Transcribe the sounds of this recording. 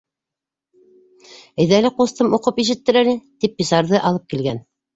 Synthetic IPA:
ɘ̆jðælɘqust̪ɤmuqɤpiʃ̬ɘ̆t̪ːɘɾælɘt̪ipːisɑɾðɤʔɑlˠɤp̚kilɡæn

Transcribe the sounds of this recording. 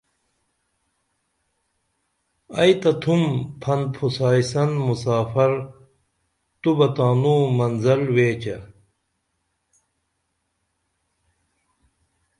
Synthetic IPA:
ɐjt̪ɐt̪ʰumpʰɐn̚pʰusaːisɐnmusaːfɐɾ | t̪ubɐt̪aːnuːmɐnzɐlweːt͡ɕɐ

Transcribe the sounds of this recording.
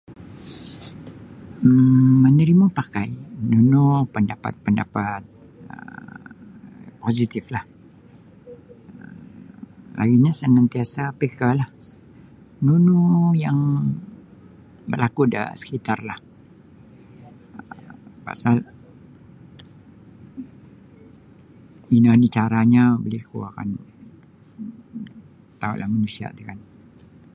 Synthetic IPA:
əːənəɾimapakajnunupəndapa̰t̪̚pəndapat̪̚ | ə̰ | posit̪ɪflah | lʔa̰ɡiɲasənant̪iasapekalah | nunujaŋ | bərlakuda̰sə̥kit̪arlah | pa̰sal | inanit͡ʃaɾaɲabəlikṵaka̰n | t̪aṵʔlahmanusia̰t̪ukan

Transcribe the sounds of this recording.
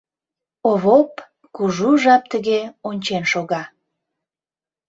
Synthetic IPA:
oβop | kuʒuʒɑp̚t̪əɣeonʲt͡ɕenʃoɣɑ

